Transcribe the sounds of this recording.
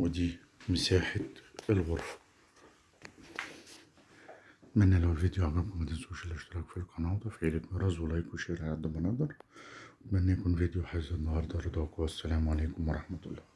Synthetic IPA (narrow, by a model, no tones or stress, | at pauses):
wɪd̪iː | mɪsaːħaɪlɣʊɾˤf | t̪mænːælæwɪlvid̪juʕaɡæmkʊmæt̪ɪnsuʃɪlʔɪʃt̪ɪɾˤɑːkfilqɑnɑːt̪ˤɑfʕiːlɪkmɑɾˤɑzwlɑjkwʃiɾʕad̪ːæmɑnɑd̪ˤɑɾˤt̪mænːæjkuːnvid̪juħazænːɑhɑɾˤd̪ˤɑɾˤɑd̪ˤɑkwæsːælæːmʕaleːkʊmwɑɾˤɑħmæt̪ʊlˤːɑː